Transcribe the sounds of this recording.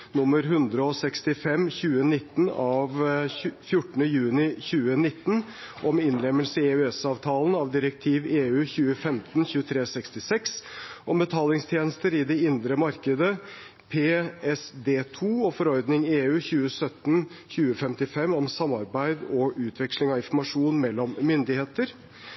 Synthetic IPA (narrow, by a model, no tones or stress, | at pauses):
nʊmːəɾɦʉnd̪ɾəɔsɛkst̪ɪfɛmːçʉːənɪt̪ːn̩ɑʋfjʊʈːəɳ̩əjʉːnɪçʉːənɪt̪ːn̩ | ʔɔmɪnɾɛmːəlsəɪeʉɛsɑːʋt̪ʰɑːlnɑʋd̪ɪɾək̚t̪ʰiːʋeːʉːçʉːəfɛmt̪nçʉːət̪ʰɾeːsɛkst̪ɪsɛksʔɔmbət̪ʰɑːlɪŋst̪ʰjeːnəst̪əɾɪd̪ɛɪnd̪ɾəmɑɾkəd̪ə | pʰeːɛsd̪eːt̪ʰuːɔfɔɾɔɾd̪nɪŋeːʉːçʉːəsœt̪ːnçʉːəfɛmt̪ɪfɛmːɔmsɑmːɑɾbæɪd̪ɔʔʉːt̪ʰʋɛkʂlɪŋɑʋɪnfɔɾmɑʂuːnmɛlːɔmːʏnd̪ɪheːt̪əɾ